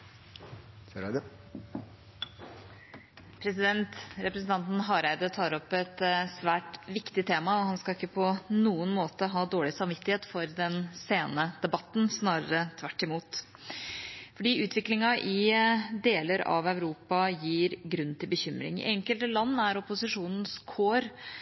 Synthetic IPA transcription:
pʰɾɛsɪd̪ɛnt̪ɾɛpɾəsn̩t̪ʰɑnt̪n̩ɦɑɾæɪd̪ət̪ʰɑːɾɔpːɛt̪sʋæːʈʋɪkt̪ɪt̪ʰeːmɑɔhɑnskɑɪkːəpʰɔnuːənmoːt̪əɦɑːd̪oːɭɪsɑmʋɪt̪ːɪheːt̪fɔɾd̪ɛnseːnəd̪̥ɛbɑt̪ːn̩snɑːɾəɾət̪ʰʋæʈːɪmuːt̪ | fɔɖiːʔʉːt̪ʰʋɪklɪŋɑʔɪd̪eːləɾɑ̰ʋæʉɾuːpɑjiːɾɡɾʉnːt̪ʰɪlbəçʏmɾɪ̰ŋ̰ʔɛŋkəlt̪əlɑnːæɾɔpʊsɪʂuːnən̩skʰoːɾ

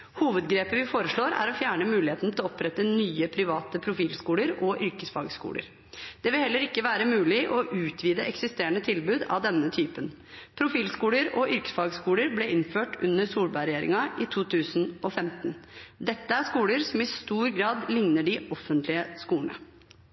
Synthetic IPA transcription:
huːʋəd̪ɡɾeːpəʋɪfoːɾəʂɭoːɾæ̰ɾɔfjæːɳəmʉːlɪheːt̪nt̪ʰɪlɔɔpɾɛt̪ːənyːəpʰɾɪʋɑːt̪əpʰɾʊfiːlskuːləɾɔʔʏɾkəsfɑ̰ːɡskṵːlə̰ɾ | d̪̥ɛʋɪlhɛlːəɾɪkːəʋæːɾəmʉːlɪʔɔʔʉːt̪ʰʋiːd̪əɛksɪst̪eːɳət̪ʰɪlbʉːd̪ɑ̰ʋd̪ɛnːət̪ʰyːpən | pʰɾʊfiːlskuːləɾɔʔʏɾkə̥sfɑːɡskuːləɾblɛɪnføːʈʉnːəɾsuːlbɑɪɾɛjeːɾɪ̰ŋɑʔɪt̪ʰuːt̪ʰʉːsn̩ɔfɛmt̪nd̪ɛt̪ːəæʂkuːləɾsɔmɪst̪uːɾɡɾɑːd̪lɪŋnəɖɪʔɔfːənt̪lɪəskuːəɳə̰

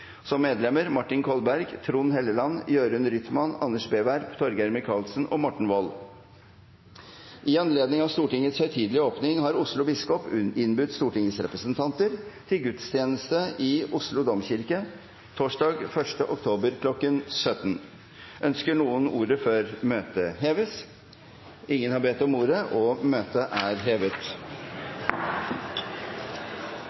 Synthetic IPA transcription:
sɔmːeːd̪lɛməɾmɑʈːɪnkʰɔlbæɾɡt̪ʰɾuːnɦɛlːəlɑnːjøːɾʉnɾʏt̪mɑnɑnːəʂbeːʋæɾpt̪ʰɔɾɡæɾməkʰɑːlsən̩ʔɔ̰mɔʈːɳ̩ʋɔl | ʔɪɑnleːd̪nɪŋɑʋst̪uːʈɪŋːət̪shœʏt̪ʰiːd̪lɪəoːpnɪŋɦɑɾʊslʊbɪskɔpɪnːbʉt̪st̪uːʈɪŋəsɾɛpɾəsənt̪ʰɑnt̪əɾt̪ʰɪlɡʉt̪st̪ʰjeːnəst̪əɪʔʊʂlʊd̪ɔmçɪɾkə | t̪ʰoːʂɖɑːɡfœʂʈəʔɔkt̪ʰoːbəɾkʰlɔkːənsœt̪ːn | ʔœnskəɳuːənuːɾəfɔɾmøːt̪əɦeːʋəs | ɪŋːənhɑbet̪ɔmuːɾəʔɔmøːt̪əʔæːɾɦeːʋət̪

